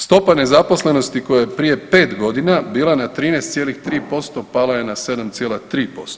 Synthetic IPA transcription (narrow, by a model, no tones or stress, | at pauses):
st̪o̞pane̞zapo̞sle̞no̞st̪iko̞jajepɾije̞pe̞ːt̪ɡo̞d̪inabiːlˠanat̪ɾiːnest̪sje̞ːlixt̪ɾiːpo̞st̪o̞palajenase̞d̪amt̪sjelat̪ɾiːpo̞st̪o